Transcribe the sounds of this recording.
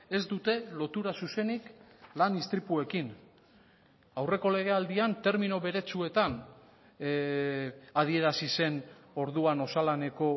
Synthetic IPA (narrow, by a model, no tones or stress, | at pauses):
e̞zd̪ut̪e̞lo̞t̪uɾasuse̞niklanist̪ɾipue̞kin | awre̞ko̞le̞ɣ̞e̞ald̪iant̪e̞ɾminoβe̞ɾe̞t͡sue̞t̪an | að̞ie̞ɾasise̞no̞ɾðuano̞salane̞ko̞